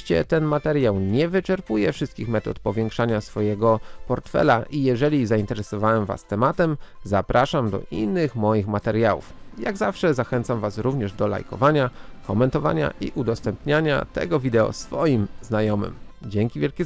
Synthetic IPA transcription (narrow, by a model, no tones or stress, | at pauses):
t͡ɕɛ̰t̪ɛnmat̪ɛɾjawɲɛvɘt͡ʂɛɾpujɛfʂɘst̪kʲixmɛt̪ɔt̪pɔvʲjɛŋkʂaɲasfɔjɛɡɔpɔɾt̪fɛ̰laʔijɛʐɛlʲizaint̪ɛɾɛsɔvawɛmva̰st̪ɛmat̪ɛmzapɾʔaʂamd̪ɔ̰ʔinːɘxmɔjixmat̪ɛɾjawṵfjaɡzafʂɛzaxɛnt̪samvasɾuvɲɛʐd̪ɔla̰jkɔ̰vaɲakɔmɛnt̪ɔva̰ɲa̰ʔḭʔud̪ɔst̪ɛmpɲaɲa̰t̪ɛ̰ɡɔvʲid̪ɛɔ̰sfɔjimznajɔmɘ̰md͡ʑɛŋkʲivʲjɛlkʲi